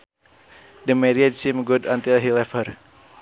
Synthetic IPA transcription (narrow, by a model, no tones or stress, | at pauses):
dəmɛɾiɛdsimɡudant̪ilɦilɛfər